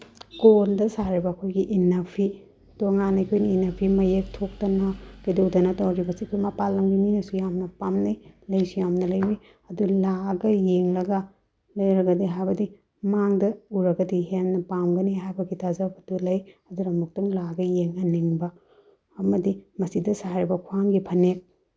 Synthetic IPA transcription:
kondɐsaɾibɐːkʰojɡiʔinɐpʰi | toŋanɐjkʰojnɐinɐpʰimɐjek̚tʰok̚tɐnɐkɐjdoudɐnɐtɐwɾibɐsikʰojmɐpalːɐŋɡininɐsujamnɐpamnɐjlɐjsujamnɐlɐjbi | ɐdulaɡɐjeŋlɐɡɐ | lɐjɾɐɡɐdiɦajbɐdi | maŋdɐuɾɐɡɐdiɦennɐpamɡɐniɦajbɐɡitʰazɐbɐdulɐjɐduɾɐmuk̚tuŋlaɡɐjeŋɐniŋbɐː | mɐdimɐsidɐsaɾibɐkʰuaŋɡipʰɐne

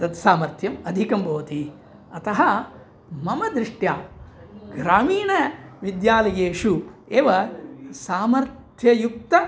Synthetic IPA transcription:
ɐt̪saːmɐɾt̪ʰjɐmɐd̪ʱikɐmbʱɐʋɐt̪i | ɐt̪ɐɦɐ | mɐmɐd̪ɾiʂʈjaːɡɾaːmiːɳɐʋid̪jaːlɐjeːʂueːʋɐsaːmɐɾt̪ʰjɐjuk̚t̪ɐ

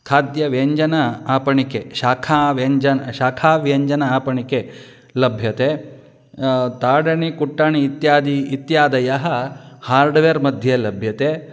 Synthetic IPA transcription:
kʰaːd̪jɐʋeːɲd͡ʒɐnɐaːpɐɳikeʃaːkʰaːʋeɲd͡ʒɐnʃaːkʰaːʋeːɲd͡ʒɐnɐaːpɐɳike | lɐbʱjɐt̪e | t̪aːɽɐɳikuʈːaːɳiːt̪jaːd̪iːt̪jaːd̪ɐjaɦɐ̆haːɾɖʋeɾmɐd̪ʱjelɐbʱjɐt̪e

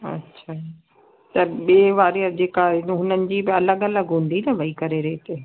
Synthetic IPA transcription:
ɐ̰tːɕʰaː | t̪ɐɓiːʋaːɾiəd͡ʑeːkaɦʊnənɪ̆d͡ʑiːbɪɐləɠɐləɡɦũːnd̪inɐʋɐikɐɾeɾeːt̪eː

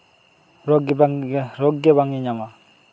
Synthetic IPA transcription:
ɾɔk | ɾɔk̚ɡebaŋiɲama

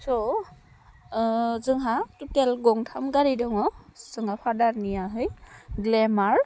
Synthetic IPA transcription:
sɔ | zɯŋɦatutelɡɔŋtʰamɡaɾidɔŋɔz̥ɯŋhapʰadaɾnijaɦɯjɡlemaɾ

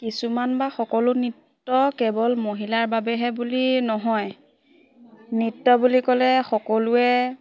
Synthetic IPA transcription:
kisumanbaxɔkɔlʊnitːɔkɛbɔlmoɦilaɹbabɛɦɛbulinɔɦɔj | nitːɔbulikɔlɛxɔkɔlʊɛ

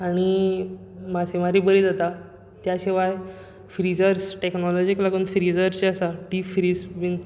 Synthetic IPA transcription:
aɽ̃i | masʰemaɾibəɾid͡zat̪a | t̪jaɕiʋaj | fɾid͡zəɾsʈeknɔlɔd͡ʑiklaɡuːnfɾid͡zəɾt͡ɕeasaʈifɾisbin

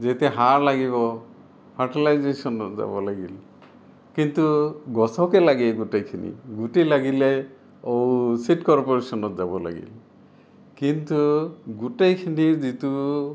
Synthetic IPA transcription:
d͡ʒet̪eɦaɾlaɡiβɔ | pʰaɾʈalajd͡ʒesɔnɔt̪d͡ʒa̰bɔlaɡḭl | kint̪uɡɔsɔkelaɡiɡuʈejkʰinḭɡuʈilaɡile | ɔwsiʈkɔɾpɔɾesɔnɔt̪d͡ʒabɔla̰ɡḭl | kint̪uɡuʈejkʰinid͡ʒit̪u

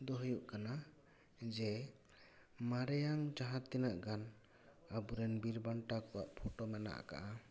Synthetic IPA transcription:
d̪ɔɦjuʔkana | d͡ʒɛ | maɾɛjaŋd͡ʒaɦat̪ːinaʔɡan | abuɾɛnbiɾbaɳʈakɔwa̰ʔpʰɔʈɔmɛna̰ʔka̰ʔa

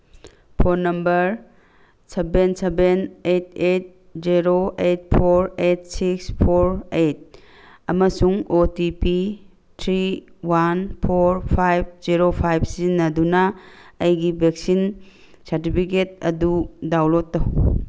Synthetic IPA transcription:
pʰoɾnɐmbɐɾ | sebensebenet̚et̚ | ziɾoet̚pʰoɾet̚sikspʰoɾet̚ | ɐmɐsuŋotipi | tʰɾiwanpʰoɾpʰajb̚ziɾopʰajb̚sizinːɐdunɐ | ɐjɡibʱek̚sin | sɐɾtipʰiket̚ɐ̰dudawlotːɐw

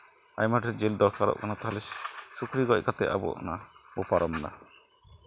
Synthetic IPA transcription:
a̰jmaʈʰɛd͡ʒeld̪ɔɾkʰaɾɔ̰ʔkʰanat̪aɦlɛssukɾiɡɔc̚kat̪ɛʔa̰bɔ̰nabɔpaɾɔmna̰

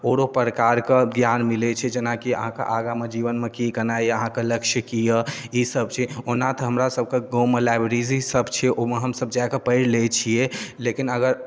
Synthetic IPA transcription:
oɾopəɾəkaɾkeɡjanmilet͡ʃʰɛd͡ʒenakiə̰ɦãkḛʔaɡamed͡ʒiʋənmekikənaiəɦãkeləkʃəkijəisəb̚t͡ʃʰɛonat̪ɦəmɾasəb̚ʱkeɡomelabɾizisəbt͡ʃʰɛʔomeɦəmsəb̚d͡ʒajkepəɪɾlet͡ʃʰijelekinəɡəɾ

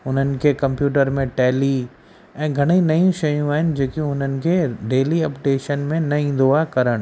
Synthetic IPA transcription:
ʊn̤ənɪ̆kʰekɐ̃mpjuːʈ̬əɾmẽʈɛːli | ɛ̃ːɡʱɐɽ̃inɐjũʃɐjũaːɦɪnɪ̆d͡ʑeːkiʊn̤ənɪ̆kʰeɖeːliɐpʈeːʃənmẽnɐĩːnd̪oakɐɾəɽ̃

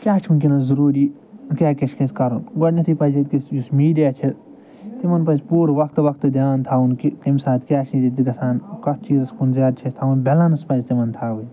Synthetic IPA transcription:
kʲaːt͡ʃʰunkʲinɐzɐɾuːɾiː | kʲaːkɐt͡ʃʰkɐ̃nskɐɾunɡɐʈnʲɐt̪ʰipɐd͡ʒit̪kisjusmiːɖijaːt͡ʃʰi | t̪imɐnpɐnsʲpuːɾʋɐkʰt̪ʋɐkʰt̪ɨd̪ʲaːnt̪ʰaːunkikɐmsaːt̪kʲaːt͡ʃʰĩd̪ʲit̪iɡɐsaːnkɐsʰt͡ʃiːzskunzaːd̪̚t͡ʃʰɐst̪ʰaʋunbelɐnɐspɐnzʲt̪imɐnt̪ʰaːwuj

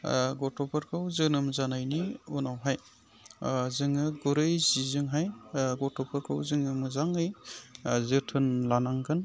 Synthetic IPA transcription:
ɡɔtɔpʰɐɾkʰɯwzɯnɯmzanajniunawɦaj | zɯŋɯɡuɾɯjzizɯŋɦajɡɔtɔpʰɐɾkʰɯwzɯŋɯmɯzaŋɯj | zɯtʰɯnlanaŋkʰɯn

